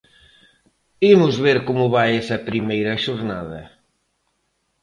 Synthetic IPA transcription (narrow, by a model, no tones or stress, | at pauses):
imʊzβeɾkomʊβajɛsɐpɾimejɾɐʃʊɾnaðɐ̰